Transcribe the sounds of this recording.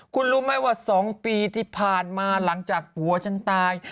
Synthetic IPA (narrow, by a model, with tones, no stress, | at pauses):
kʰu˧nɾuː˦˥ma˥˩jwaː˥˩sɔː˩˦ŋpiː˧t̪ʰiː˥˩pʰaː˨˩nmaː˧la˩˦ŋt͡ɕaː˨˩k̚pu˨˩˦ɐt͡ɕʰa˦˥˩nt̪aː˧j